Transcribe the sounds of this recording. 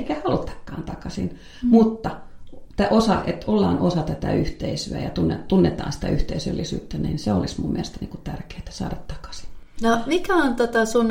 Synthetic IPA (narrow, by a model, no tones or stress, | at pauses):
ikæhɑlt̪ːɑ̥kːɑːnt̪ɑkɑsḭn | mut̪ːɑt̪æʔosɑet̪olːɑːnosɑt̪æt̪æ̰yht̪eisyæ̰jɑt̪unːet̪unːet̪ɑ̰ːnsi̥t̪æʔyht̪eisø̰lːisy̰ːt̪ːænḭːnseolismummieælest̪ænḭŋkut̪ærke̥ːt̪æ̥sɑ̰ːɾɑt̪t̪ɑ̥kɑ̥si̥nnomikæont̪ot̪ɑsun